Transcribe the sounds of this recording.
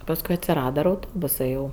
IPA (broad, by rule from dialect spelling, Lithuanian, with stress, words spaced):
pɐsˈkʊɪ ɐtʲsʲɪˈrɑːdɐ ɪr ɐʊˈtoːbʊsɜ jɛʊ